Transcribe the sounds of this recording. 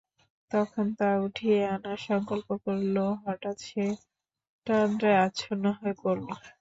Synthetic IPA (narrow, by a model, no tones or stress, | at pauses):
t̪ɔkʰont̪auʈʰieanaɾʃɔŋkolpokoɾloɦɔʈat̪ʃʰe | ʈad̪ɾaeat͡ɕʰonɔɦɔepoɾlo